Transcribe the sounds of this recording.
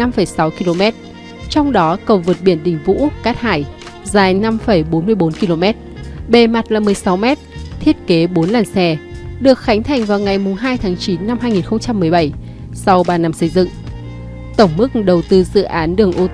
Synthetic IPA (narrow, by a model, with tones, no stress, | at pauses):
a˧mfə˧˩jsa˨˦wki˧lo˧mɛ˦˥t̚ | t͡ɕɔ˧wŋ͡mɗɔ˨˦kə˨˩wvəː˨˩t̚ɓi˧˩ənɗï˨˩ŋ̟vṵ˧˥kaː˦˥t̚haː˧˩j | zaː˨˩jna˧mfə˧˩jɓo˨˦nmɨ˧əjɓo˨˦nki˧lo˧mɛ˦˥t̚ɓe˨˩ma˨˩t̚laː˨˩mɨ˨˩əjsa˨˦wmɛ˦˥t̚t̪ʰi˦˥ət̚ke˨˦ɓo˨˦nlaː˨˩nsɛ˧˩ɗɨ˨˩ək̚xa˨˦jŋ̟t̪ʰa˨˩jŋ̟vaː˨˩wŋa˨˩jmʊ˨˩ŋ͡mɦaː˧jt̪ʰaː˨˦ŋt͡ɕi˨˦nːa˧mɦaː˧jŋi˨˩nxə˧wŋ͡mt͡ɕa˧mːɨ˨˩əjɓə˧˩j | sɔ˧wɓaː˧na˧msə˧jzɨ̰˧˨ŋ | t̪ə˧˩wŋ͡mmɨ˦˥k̚ɗə˨˩wt̪ɨ˧zɨ̰˧˨ʔaː˨˦nɗɨ˨˩əŋʔo˧t̪